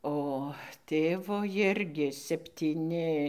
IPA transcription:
oː ˈtʲeːʋoː ˈjɪrʲɡʲɪ sʲɛpʲtʲiːˈnʲɪ

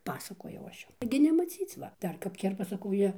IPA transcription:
ˈpɑːsɐkoːjɛʊ ˈɐʃ ˈjʊm ˈtɐɪɡʲɪ nʲɛmɐˈt͡sʲiːt͡s ˈʋɐ ˈdɐr kɐp ˈkʲɛrpɐ sɐˈkɐʊ ˈjiɛ

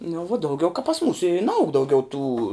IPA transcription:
nʊ ʋuɔ dɐʊˈɡʲɛʊ kɐ pɐs ˈmuːsʊ ɪ nɐˈɐʊk dɐʊˈɡʲɛʊ tuː

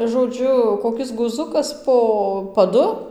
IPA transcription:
ʒoːˈd͡ʒʲʊ koːˈkʲɪs ɡʊˈzʊkɐs poː pɐˈdʊ

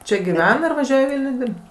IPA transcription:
ˈt͡ʃʲɛ ɡʲɪˈʋʲɛn ɪr ʋɐˈʒʲuɔj iː ˈʋʲɪlʲnʲʊ ˈdʲɪrpt

